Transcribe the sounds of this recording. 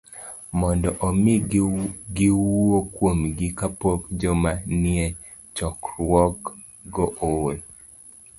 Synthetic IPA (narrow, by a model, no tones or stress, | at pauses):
mɔndɔʔɔmɪ | ɡiwuokwomɡɪkapokd͡ʒɔmanɪɛ | t͡ʃɔkɾwɔk | ɡɔʔol